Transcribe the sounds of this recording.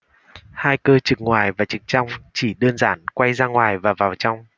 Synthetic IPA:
haː˧jkəː˧t͡ɕɨ˨˩k̚ŋwaː˨˩jvaː˨˩t͡ɕɨ˨˩k̚t͡ɕa˧wŋ͡mt͡ɕi˧˩ɗəː˧nzaː˧˩˦nkwa˧jzaː˧ŋwaː˨˩jvaː˨˩vaː˨˩wt͡ɕɔ˧wŋ͡m

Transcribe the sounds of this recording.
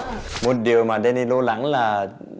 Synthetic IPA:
mo˨˩t̚ɗi˨˩əwmaː˨˩ɗɛ˧ni˧lo˧la̰˧˥ŋlaː˨˩

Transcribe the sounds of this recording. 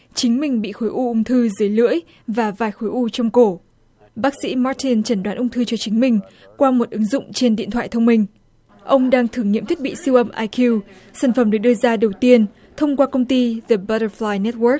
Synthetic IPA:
t͡ɕï˨˦ŋ̟mï˨˩ŋ̟ɓḭ˧˨xo˨˦jʔu˧ʔʊ˧ŋ͡mt̪ʰɨ˧zɨː˨˦jlɨ̰˧˥əj | vaː˨˩vaː˨˩jxo˨˦jʔu˧t͡ɕɔ˧wŋ͡mko˧˩ | ɓaː˦˥k̚sḭ˧˥ma˦˥t̚t̪i˧nt͡ɕə˧˩nɗwaː˨˦nʔʊ˧ŋ͡mt̪ʰɨ˧t͡ɕɔ˧t͡ɕï˨˦ŋ̟mï˨˩ŋ̟ | kwaː˧mo˨˩t̚ʔɨ˨˦ŋzʊ̰˧˨ŋ͡mt͡ɕe˧nɗḭ˧˨ənt̪ʰwa̰ː˧˨jt̪ʰə˧wŋ͡mmï˧˩ŋ̟ | ʔə˧wŋ͡mɗaː˧ŋt̪ʰɨ˧˩əŋɲḭ˧˨t̪ʰi˦˥t̚ɓḭ˧˨si˧wʔə˧mʔaː˧jki˧w | saː˧˩nfə˧˩mɗɨː˧˩ɗɨ˧əzaː˧ɗə˨˩wt̪i˧ən | t̪ʰə˧wŋ͡mkwaː˧kə˧wŋ͡mt̪i˧zə˨˩ɓtə˧flaː˧jnɛ˦˥t̚wə˦˥k̚

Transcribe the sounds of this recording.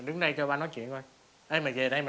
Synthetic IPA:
ɗɨ˨˦ŋɗə˧jt͡ɕɔ˧ɓaː˧nɔ˨˦jt͡ɕḭ˧˨ənʔo˧j | ʔəː˧jmaː˨˩ve˨˩ɗə˧jmaː˨

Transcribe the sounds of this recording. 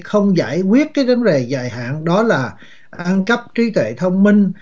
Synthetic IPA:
xə˧wŋ͡mza̰ː˧˩˨jkwi˦˥ət̚kaː˨˦jva˨˦ŋɗe˨˩za̰ː˧˨˩jɦa̰ː˧˨nɗɔ˨˦laː˨˩ | ʔʔa˧nkə˦˥p̚t͡ɕi˨˦t̪wḛ˧˨t̪ʰə˧wŋ͡mmï˧ŋ̟

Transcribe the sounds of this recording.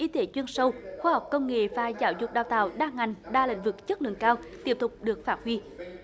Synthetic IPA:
ʔi˧t̪e˨˦t͡ɕwi˧ənsə˧wxwaː˧ha˨˩wk͡p̚kə˧wŋ͡mŋḛ˧˨faː˧˩zaː˧˨˦wzʊ˨˩k͡p̚ɗaː˨˩wt̪a̰ː˧˨wɗaː˧ŋa˨˩jŋ̟ɗaː˧lḭ̈˧˥ŋ̟vɨ˨˩k̚t͡ɕə˦˥t̚lɨ̰˧˨ŋkaː˧wt̪i˦˥əp̚t̪ʊ˨˩k͡p̚ɗɨ˨˩ək̚faː˦˥t̚hwi˧

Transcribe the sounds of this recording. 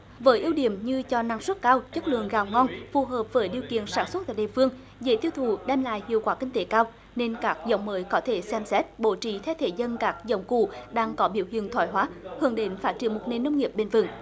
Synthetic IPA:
vəː˨˦jʔi˧əwɗi˧˨əmɲɨ˧t͡ɕɔ˧na˧˩ŋswə˦˥t̚kaː˧wt͡ɕə˦˥t̚lɨ̰˧˨əŋɣaː˨˩wŋɔ˧nfu˨˩ɦəː˨˩p̚vəː˨˦jɗi˨˩əwkḭ˧˨ənsaː˧˩nswə˦˥t̚t̪a̰ː˧˨jɗḭ˨fɨ˧əŋ | ze˧˩t̪i˧əwt̪ʰu˧˩ɗɛ˧mla̰ː˧˨jhḭ˧˨əwkwaː˨˦kï˧ŋ̟t̪e˨˦kaː˧w | ne˧nkaː˦˥k̚zə̰˧˦wŋ͡mməː˨˦jkɔ˨˦t̪ʰe˧˩sɛ˧msɛ˦˥t̚ɓo˧˩t͡ɕḭ˧˩t̪ʰɛ˧wt̪ʰe˧˨˩zə˧nkaː˦˥k̚zə̰˧˦wŋ͡mkṵ˧˩ɗaː˧ŋkɔ˨˦ɓi˧˩əwhḭ˧˨əŋt̪ʰwaː˧˩jɦwaː˨˦hɨ˧˩əŋɗe˨˦nfaː˦˥t̚t͡ɕi˧˩ənmo˨˩t̚ne˨˩nːə˧wŋ͡mŋi˨˩əp̚ɓe˧˩nvɨ̰˨˧˩ŋ

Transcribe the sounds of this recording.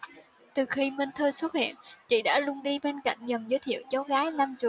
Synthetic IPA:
t̪ɨ˨˩xi˧mə˧nt̪ʰəː˧jswə˦˥t̚hḭ˧˨ənt͡ɕḭ˧˨ɗa̰ː˧˥lʊ˧əŋɗi˧ɓe˧nka̰˧˨jŋ̟zə˨˩mzəː˨˦jt̪ʰḭ˧˨əwt͡ɕa˨˦wɣaː˨˦jna˧mzɨ̰˧˨

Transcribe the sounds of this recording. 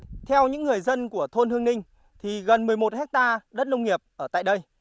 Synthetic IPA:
t̪ʰɛ˧wɲɨ̰˧˥ŋːɨ˨˩əjzə˧nku˧˩ət̪ʰo˧nt̪hɨ˧əŋnï˧ŋ̟ | t̪ʰi˨˩ɣə˨˩nmɨ˨˩əjmo˨˩t̚hɛ˦˥k̚t̪aː˧ɗə˦˥t̚nə˧wŋ͡mŋi˨˩əp̚ʔəː˧˩t̪a̰ː˧˨jɗə˧j

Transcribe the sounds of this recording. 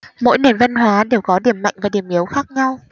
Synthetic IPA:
mo̰˧˥jne˨˩nvə˧nɦwaː˨˦ɗe˨˩wkɔ˨˦ɗi˧˩əmːa̰˧˨jŋ̟vaː˨˩ɗi˧˩əmʔi˨˦əwxaː˦˥k̚ɲa˧w

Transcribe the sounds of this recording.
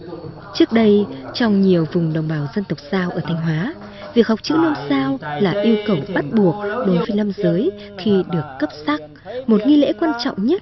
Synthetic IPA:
t͡ɕɨ˦˥ək̚ɗə˧jt͡ɕɔ˧wŋ͡mɲi˨˩əwvʊ˨˩ŋ͡mɗə˨˩wŋ͡mɓaː˧˩wzə˧nt̪ə˨˩wk͡p̚zaː˧wʔəː˧˩t̪ʰa˧jŋ̟ɦwaː˨˦ | vi˨˩ək̚ha˨˩wk͡p̚t͡ɕɨ̰˧˥nə˧msaː˧wlaː˨˩ʔi˧əwkə˨˩wɓa˦˥t̚ɓu˨˩ək̚ɗo˨˦jvəː˨˦jna˧mzəː˨˦j | xi˧ɗɨ˨˩əkːə˦˥p̚sa˦˥k̚ | mo˨˩t̚ŋi˧lḛ˧˥kwaː˧nt͡ɕɔ̰˧˨wŋ͡mɲə˦˥t̚

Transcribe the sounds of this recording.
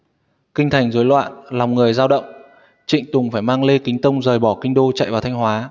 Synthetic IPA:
kï˧ŋ̟t̪ʰa˨˩jŋ̟zoː˨˦jlwa̰ː˧˨nla˨˩wŋ͡mŋɨ˨˩əjzaː˧wɗə̰˧˨wŋ͡m | t͡ɕḭ̈˧˨ŋ̟t̪ʊ˨˩ŋ͡mfaː˧˩jmaː˧ŋle˧kï˨˦ŋ̟t̪ə˧wŋ͡mzəː˨˩jɓɔ˧˩kï˧ŋ̟ɗo˧t͡ɕa̰˧˨jvaː˨˩t̪ʰa˧ŋ̟ɦwaː˨˦

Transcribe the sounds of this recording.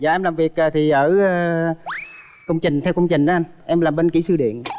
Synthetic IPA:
za̰ː˨ʔɛ˧mlaː˨˩mvi˨˩ək̚ʔəː˨˩t̪ʰi˨˩ʔəː˧˩˧ | kə˧wŋ͡mt͡ɕï˨˩ŋ̟t̪ʰɛ˧wkə˧wŋ͡mt͡ɕï˨˩ŋ̟ʔa˨˦ʔa˧n | ʔɛ˧mlaː˨˩mɓe˧nkḭ˧˩˦sɨ˧ɗḭ˧˨ən

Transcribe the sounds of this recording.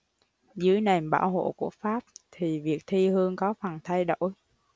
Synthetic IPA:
zɨː˨˦əjna˨˩mɓaː˧˩wɦo̰˧˨ku˧˩əfaː˦˥p̚t̪ʰi˨˩vi˨˩ək̚t̪ʰi˧hɨ˧əŋkɔ˨˦fa˨˩nt̪ʰa˧jɗo̰˧˩j

